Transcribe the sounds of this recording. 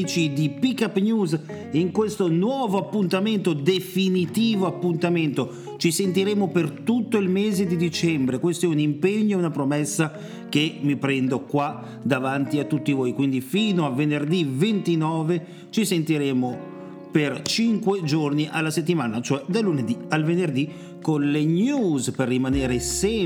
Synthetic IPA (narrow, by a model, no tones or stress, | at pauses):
t͡ʃid̪ipikːapːnjuːz | iŋkwest̪onwɔːvoapːunt̪ament̪od̪efinit̪iːvoapːunt̪ament̪o | t͡ʃisent̪̬iɾeːmopert̪ut̪ːoilmeːzed̪id̪it͡ʃɛmbɾekwest̪oɛunimpeɲːoɛunapɾomɛsːa | k̟emipɾɛnd̪okwa | d̪avant̪iat̪ːut̪ːivoːjkwind̪ifiːnoavenerd̪ivent̪inɔːve | t͡ʃisent̪iɾeːmo | pert͡ʃiŋkwed͡ʒorniʔalːaset̪ːimaːnat͡ʃoɛd̪alːuned̪ialvenerd̪i | konleɲuːzperːimaneːɾesɛ